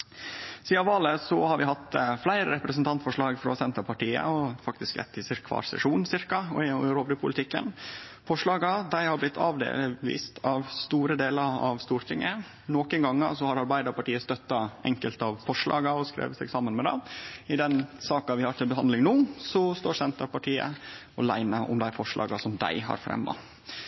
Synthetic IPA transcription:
siːɑʋɑːləsɔhɑɾʋɪhɑt̪ːflæɪɾəɾɛpɾəsənt̪ʰɑnt̪fɔʂɭɑːɡfɾɔsɛnt̪əpʰɑʈiːə̰ɔfɑk̚t̪ɪskɾɛ̰t̪ːɪsɪɾkʰʋɑ̰ːɾsɛ̰ʂuːnsɪɾkɑɔɪɪɾoːbɾɪpʰʊlɪt̪ʰɪkːə̰nfɔʂɭɑːɡɑd̪æɪhɑɾblɪt̪ʰːɑːʋd̪ḛːlʋḭːst̪ʰɑʋst̪uːɾəd̪eːləɾɑ̰ʋst̪uːɾt̪ʰɪŋːə | nɔːkənɡɑŋːɑ̰sɔhɑɾɑɾbæɪd̪əɾpɑʈiːəst̪œt̪ːɑʔɛ̰ŋkəlt̪ɑʋfɔʂɭɑ̰ːɡɑɔskɾḛːʋət̪sɛɡsɑmːənmɛd̪ɑ̰ɪd̪ɛnsɑːkɑʋɪhɑɾt̪ʰɪlbəɦɑnd̪lɪŋnuːsɔst̪oːsɛnt̪əɾpɑʈʰiːə̰ | ɔlæɪnəʔɔ̰md̪æɪfɔʂɭʔɑ̰ːɡɑsɔmd̪æ̰ɪɦɑ̰ɾfɾɛ̰mːɑ̰

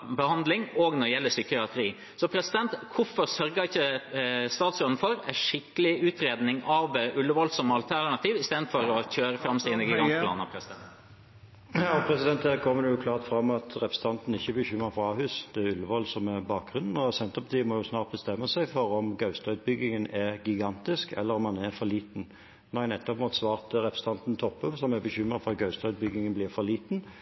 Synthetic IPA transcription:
bəhɑnd̪lɪŋɔɡnɔdəjɛlːəsʏkːəɑt̪ʰɾiː | sɔpʰɾɛsɪd̪ɛnt̪kʰʊfɔɾsœɾɡəɪçːəst̪ɑːt̪sɡɾɔnn̩fɔɾæʂɪkːəlɪʉːt̪ɾeːd̪nɪŋɑʋʔʉlːəʋɔlsɔmɑlt̪ʰæɾnɑt̪ʰiːʋɪst̪eːd̪fɔɾɔçøːɾəfɾɑmsiːnəɡɪɡɑnplɑ̰ːnɑ̰pʰɾɛsɪd̪ɛnt̪ | ɔpʰɾɛsɪd̪ɛnt̪d̪æːʁkʰɔmːəd̪əjʊkʰlɑːʁt̪fɾɑmːɑt̪ʰɾɛpst̪ʰɑnt̪n̩ɪçːəbəçʏmːəɾfʁɑɑːhʉːsd̪̥ɛæʉlːəʋɔlsɔmɛʁbɑːk̚ɡʁʉnn̩ɔsɛnt̪ʁpʰɑt̪ʰiːʋmɔːjʊsnɑːʁt̪̚bəst̪ɛmːəsæɪfɔɾɔmɡɑʉst̪œʉt̪̚bʏɡːɪŋənɛʁɡɪɡɑnt̪ɪskɛ̰lːəɾɔmɑnɛʁfɔɾliːt̪n | næɪnɛt̪ːɔpmuːt̪sʋɑːʁt̪əɾɛpst̪ʰɑnt̪nt̪ʰɔpːəʋsɔmæbəçʏmːəfɔɾɑt̪̚ɡœʉst̪œʉt̪̚bʏɡɪŋənblɪʁfɔliːt̪n̩

